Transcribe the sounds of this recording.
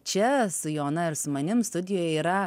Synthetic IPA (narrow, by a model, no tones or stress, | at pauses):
t͡ʃʲɛsʊjoːnɐɪɾsʊmɐnʲɪmst̪ʊd̪ʲɪjoːjɛiːɾɐ